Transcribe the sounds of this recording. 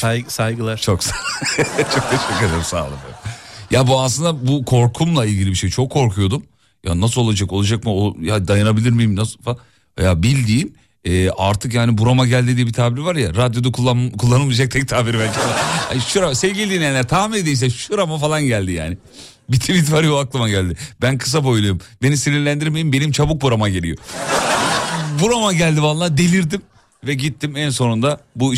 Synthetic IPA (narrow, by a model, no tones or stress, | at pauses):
sajsajɡɯlˠaɾt͡ʃʰoks | t͡ʃʰo̞k̚t̪ʰeʃɛcled̪elimsa̰ːlˠɯ̰ma̰jabuaslɯnd̪abukʰo̞ɾkʰumlˠailʲɟʲilʲibiʃe̞jt͡ʃʰo̞kʰːo̞ɾkʰujo̞d̪um | ja̰nas̬ɯlˠo̞lˠad͡ʒakolˠad͡ʒakmɯojad̪ajanabilʲiɾmijimnasɯlfa | a̰jaːbilʲd̪iːm | ɛːaɾt̪ʰɯkjaːnibuɾamaɟælʲd̪id̪ibit̪ʰaːbiɾivaɾjaɾad̪jo̞d̪akuakʰulˠːanɯlˠmɯd͡ʒak̚t̪ʰɛc̚t̪ʰaːbiɾvælʲcʰiaha̰ʃuɾamasɛvɟilʲid̪inʲejnlʲːæɾt̪ʰaːmiled̪ijms̬ɛʃuɾamafalˠanɟælʲd̪ija̰ːnɪ | bit̪ʰivit̪vaɾjoaklˠɯmaɟælʲd̪ib̥ænkʰɯ̥s̬abo̞jlˠujombe̞nisiniɾlʲænd̪iɾme̞jimbe̞nimt͡ʃʰabuk̚buɾamaɟe̞lʲḭjo̞̰ | buɾamaɟælʲd̪ivalˠːad̪e̞lʲiɾd̪im | vɛɟit̪ʰːimɛnso̞nund̪abu